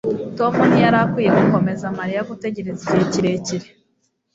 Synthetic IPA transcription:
to̞monijaɾakwiːkoŋko̞me̞zamaɾijaɡute̞ɟe̞ɾeziceciɾe̞ciɾe

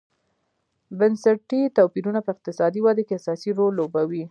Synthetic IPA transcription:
bansaʈit̪apiɾunapəɪq̚t̪ɪsɑd̪iwad̪akeasɑsiɾolːobawi

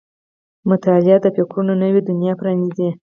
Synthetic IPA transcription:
mʊt̪ɑlɪad̪əpekɾunonəwed̪ʊnjɑpɾɑnizi

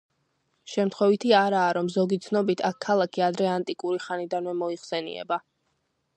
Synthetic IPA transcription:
ʃɛmt̪ʰχwɛvit̪ʰiaɾaːɾɔmzɔɡit̪sʰnɔbit̪ʰakʰːalˠakʰiad̪ɾɛant̪ʼikʼuɾiχanid̪anvɛmɔiχsɛnḭɛ̰ba

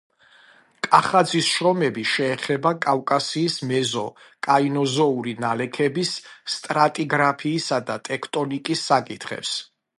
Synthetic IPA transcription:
kʼaχad̪zisʃɾɔmɛbiʃɛːχɛbakʼavkʼasiːsmɛzɔ | kʼainɔzɔuɾinalɛkʰɛbisːt̪ʼɾat̪ʼiɡɾapʰiːsad̪at̪ʼɛkʰt̪ʼɔnikʼisːakʼit̪ʰχɛ̰ps

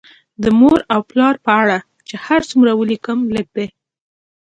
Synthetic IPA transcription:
d̪əmoɾawplɑɾpəaɽa | t͡ʃehaɾt͡sumɾawəlikəmləp̚d̪e

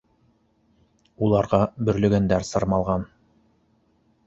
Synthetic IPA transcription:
ulˠɑɾʁɑbɵ̆ɾlɵ̆ɡænd̪æɾsɤ̆ɾmɑlˠʁɑn

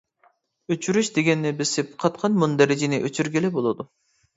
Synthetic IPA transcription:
øt͡ʃʰyɾyʃd̪eɡʲɛnːɪbɪsɪpqʰɑt̪qʰɑnmund̪ɛɾɪd͡ʒɪnɪʔøt͡ʃʰyɾɡʲilɪbolˠɨd̪u

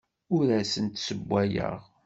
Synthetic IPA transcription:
ʊɾæsənt̪səbʷːæjə̰ʁ

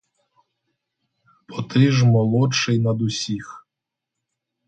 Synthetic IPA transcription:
pʰɔt̪ɪʒmɔlˠɔt͡ʃɪjnɐd̪ʊsʲix

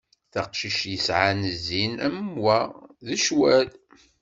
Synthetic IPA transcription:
θɑqʃiʃjəsʕanəzːinæmwæðəʃwæl

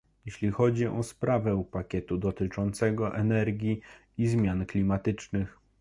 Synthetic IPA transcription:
jeɕlʲixɔd͡ʑiʔɔspɾavɛupakʲɛt̪ud̪ɔt̪ɘt͡ʂɔnt̪sɛɡɔʔɛnɛɾɡʲji | izmʲjanklʲimat̪ɘt͡ʂnɘx

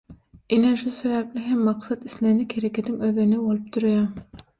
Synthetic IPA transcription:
ineʃuseβæp̚lʲiɦemːɑqsɑt̪islenikheɾekʰet̪ʰiŋøðynibolˠup̚t̪uɾjɑ

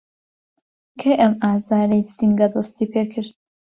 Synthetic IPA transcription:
kʰejʔɐmaːzaːnejsiŋɡɐd̪ɨst̪iːpʰeːkʰɨɾt̪̚

